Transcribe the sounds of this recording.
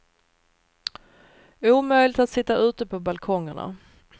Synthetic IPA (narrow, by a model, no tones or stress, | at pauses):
uːmœjlɪt̪at̪sɪt̪ːaʔʉ̟ːt̪əpʰɔbalkʰɔŋːəɳa̰